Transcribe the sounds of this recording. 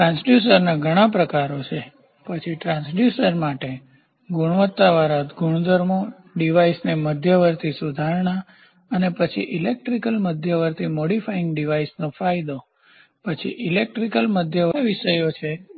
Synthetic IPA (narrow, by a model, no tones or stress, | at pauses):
ʈɾãnsɖjusəɾnaɡʱəɽ̃ãpɾəkaɾot͡ʃʰe | pət͡ʃʰiʈɾãnsɖjusəɾmaʈe | ɡuɽʋət̪ːaʋaɾat̪ɡʱuɳ̃d̪ʱəɾmo | ɖiʋaisneməd̪ʱjəʋəɾt̪ʰisud̪ʱaɾɳ̃a | ənepət͡ʃʰḭʔilek̚ʈɾikəlməd̪ʱjəʋəɾt̪ʰimoɽifajɪ̃ŋɡɖiʋaisnofajd̪o | pət͡ʃʰḭʔilek̚ʈɾikəlməd̪ʱjəʋəʋiʃəjot͡ʃʰe